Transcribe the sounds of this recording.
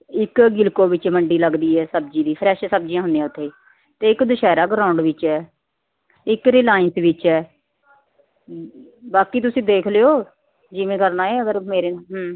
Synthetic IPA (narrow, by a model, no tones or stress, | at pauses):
ɪkɡɪlkoːʋɪt͡ʃməɳɖiːləɡd̪iːɛːsəb̚d͡ʒiːd̪iːpʰɾɛːʃsəb̚d͡ʒijãːɦʊnd̪ijãːʊt̪ʰːeː | t̪eːɪkd̪əʃɛːɾaːɡəɾãːʊ̃ɳɖʋɪt͡ʃɛː | ɪkɾiːlaːɪnsʋɪt͡ʃɛː | baːkiːt̪̬ʊsĩːd̪eːkʰleoː | d͡ʒiːmẽːkəɾnaːeːəɡəɾmeːɾeːɦ